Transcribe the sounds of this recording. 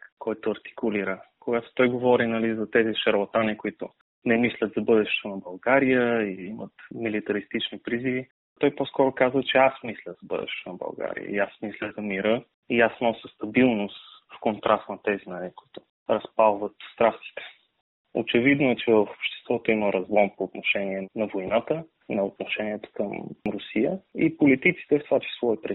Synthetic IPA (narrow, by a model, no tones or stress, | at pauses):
kɔjt̪ʊɐɾt̪i̥kʊliɾəkoɡat̪o̥t̪ɔjɡovɔɾinɐlizɐt̪ɛziʃɐɾlˠat̪anikoit̪ʊ̰ | nɛmislʲət̪zɐbɤd̪ɛʃɛ̥t̪onɐbɐlˠɡaɾijəiimə̰t̪milit̪ɐɾist̪it͡ʃnipɾizivi | t̪ɔjposkɔɾʊkazvət͡ʃɛasmislʲəzɐbɤ̰d̪ɛ̰ʃɛ̥t̪onɐbɐ̰lˠɡa̰ɾḭjə̰ḭasmislʲəzɐmiɾə | iasnɔsʲəst̪ɐbilˠnost̪fkont̪ɾʔast̪nɐt̪ɛzinaɾɛkʊ̥it̪ʊ̥ | ɾɐspalˠvət̪st̪ɾast̪i̥t̪ɛ̥ | o̰t͡ʃɛvid̪noɛt͡ʃɛvəfo̥pʃt̪ɛ̥st̪vɔt̪oiməɾʔɐzlˠɔmpoːt̪noʃɛniɛnɐvojnat̪ə | nɐot̪noʃɛniɛt̪o̥kəmɾʊsijəipolit̪it̪si̥t̪ɛft̪ovat͡ʃi̥svɔipɾi